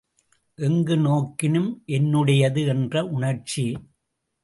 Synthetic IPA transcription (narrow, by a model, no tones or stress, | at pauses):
ʔɛŋɡɯnoːkːɪnɯmʔɛnːɯɽɐjɐðɯɛndrɐʔʊɳɐɾt͡ʃi